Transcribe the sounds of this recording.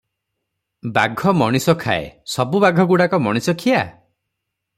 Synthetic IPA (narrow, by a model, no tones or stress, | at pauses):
baɡʱɔmɔɽ̃isɔkʰa̰ḛsɔbubaɡʱɔɡuɽakɔmɔɽ̃isɔkʰija